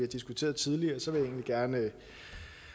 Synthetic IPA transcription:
iæd̥isɡ̥ut͡sʰe̝̰ːɐðˠt͡sʰiðˠliɐːsɒ̽ʋe̝je̝̰ːnliɡ̥æɐn

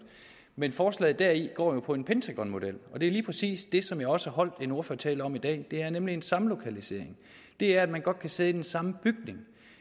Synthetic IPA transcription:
menfɒːslɛ̰ːð̩ˠd̥æɐ̰iɡ̥ɒ̰ːjo̝pʰɒ̽e̝npʰent͡sʰæɡ̥ʁɒ̽nmo̝d̥el̰ɒ̽d̥e̝liːpʰʁɛsḭːsd̥e̝sɒ̽mjɑ̈ɪɒ̽səhæɦɒ̽l̰d̥e̝no̝ɐføɐ̰t͡sʰɛ̰ːləɒ̽mid̥ɛ̰ːd̥e̝æɐnemlie̝nsɑ̈məlo̝kʰælise̝̰ɐ̰e̝ŋ | d̥e̝æɐæd̥mænɡ̥ɒ̽d̥̚kʰæse̝ðˠid̥ensɑ̈məb̥yɡ̥ne̝ŋ

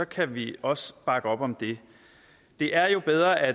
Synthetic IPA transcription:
ɒ̽kʰæʋiɒ̽səb̥ɑ̈ɡ̥əɒ̽b̥ɒ̽md̥e̝ | d̥e̝ʔæɐjo̝b̥eðˠʁɐʔæ

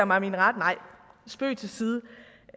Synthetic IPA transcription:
ɐmɑ̈ɪminʁɑ̈d̥nɑ̈ɪ̰sb̥ø̰ːt͡sʰe̝lsiːðˠə

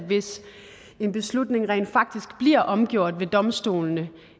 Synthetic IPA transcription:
ʋe̝s | e̝nb̥e̝slud̥ne̝ŋʁɛ̰ːnd̥fɑ̈ɡ̥̚d̥isɡ̥b̥liɐ̰ʔɒ̽mɡ̥jo̝ɐ̰d̥ʋe̝d̥ɒ̽msd̥o̝̰ːlnə

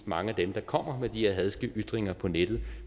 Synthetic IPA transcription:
d̥mɑ̈ŋəæd̥emd̥ɑ̈kʰɒ̽m̰ɐmed̥iheɐɦæðˠsɡ̥əʔyd̥ʁeŋɐpʰɒ̽ned̥ð̩ˠ

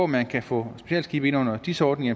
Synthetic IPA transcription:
ɒmænkʰæfɔ̰̽sb̥e̝ɕɛ̰ːldsɡ̥iːb̥e̝nɔ̽n̰ɐd̥isəɒːd̥neŋɐ

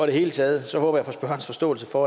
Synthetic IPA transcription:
ɒ̽ɾe̝he̝ːlət͡sʰɛːð̞̩ˠsɒ̽hɔ̽ːb̥ɐjɑ̈fɒ̽sb̥ɶɐnsfɒ̽sd̥ɔ̰̽ːl̩səfɒː

